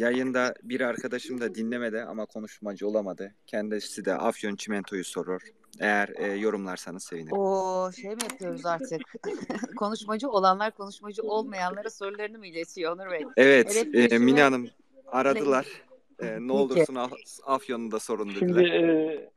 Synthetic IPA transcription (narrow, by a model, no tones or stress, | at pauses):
jajɯnd̪abiɾaɾkʰad̪aʃɯmd̪ad̪inlʲe̞me̞d̪ia̰makʰo̞nuʃmad͡ʒɯolˠamad̪ɯcʰɛnd̪isid̪ɛ̰ʔa̰fjont͡ʃʰimɛnt̪ʰo̞juso̞ɾoɾ̥ | e̞jæɾːjo̞ɾumlˠaɾsanɯzse̞vinioʃejmijapʰɯjo̞ɾuzaɾt̪ʰɯkkʰo̞nuʃmad͡ʒɯo̞lˠanlˠaɾkʰo̞nuʃmad͡ʒɯo̞lˠmajanlˠaɾɯso̞ɾulˠaɾɯnimuilʲet̪ʰijonuɾβɛɛvɛt̪ːminanɯm | aɾad̪ɯlˠaɾ̥ | ɯːnɛolˠd̪uɾsunaafjonund̪aso̞ɾund̪u